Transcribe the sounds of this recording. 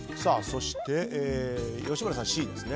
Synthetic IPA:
saːso̞ɕi̥t̪e̞jo̞ːɕimaɾasãɕiːd̪esɨne̞

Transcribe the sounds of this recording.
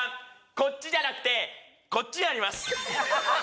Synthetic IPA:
ko̞t͡ɕt͡ɕːid͡ʑanakɯ̟̥t̪e̞ | ko̞t͡ɕːiɲaɾʲimasɨ̥

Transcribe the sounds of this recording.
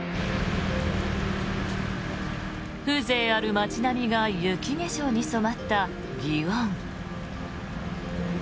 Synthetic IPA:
ɸɯ̟ːze̞ːaɾɯ̟mat͡ɕinamʲiɡajɯ̟kʲine̞ɕo̞ɲ̟iso̞mat̪ːa | ɡʲiβãŋ

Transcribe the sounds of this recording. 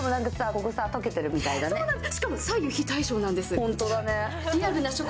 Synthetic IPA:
mo̞nãŋkasako̞ko̞saːt̪oke̞t̪e̞ɾɯ̟mʲit̪aid̪anenaɕi̥kamosajjoçit̪aiɕo̞ːnãnd̪e̞sɨhõnt̪o̞d̪ane̞ | iabɯ̟naɕo

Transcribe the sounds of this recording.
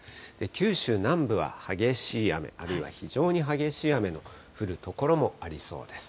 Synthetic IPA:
d̪̥e̞kʲɨːɕɨːnãmbɯ̟βa̰haɡe̞ɕiːame̞̰ʔaɾɯ̟iβa̰çiʑo̞ːɲ̟iɦaɡe̞ɕiːame̞no̞ | ɸɯ̟ɾɯ̟t̪o̞ko̞ɾo̞mo̞aɾʲiso̞̰ːd̪̥e̞sɨ̥

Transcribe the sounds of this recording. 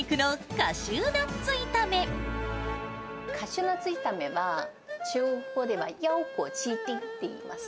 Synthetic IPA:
kɯ̟nokaɕɨːnat͡sɨit̪ame̞ | kʰaɕɨnat͡sɨit̪ame̞βa | t͡ɕɨːhod̪e̞βajaokoːt͡ɕiːt̪eit̪ːe̞ḭma̰sɨ̥

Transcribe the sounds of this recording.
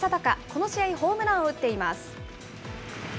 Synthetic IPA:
at̪akako̞no̞ɕiaiho̞ːmɯ̟naoɯt̪ːe̞ima̰sɨ̥

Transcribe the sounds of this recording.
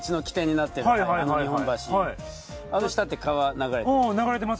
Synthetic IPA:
t͡ɕino̞kʲi̥t̪eɲ̟ːinat̪ːe̞ɾɯaiɦaanoɲihõmbaɕiai | anoɕi̥t̪at̪ːe̞kaβanaɡaɾenaɡaɾet̪̬emas

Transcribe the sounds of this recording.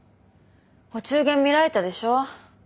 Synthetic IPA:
hot͡ɕɨːɡẽ̞mːʲiɾaet̪ad̪e̞ɕo̞ː

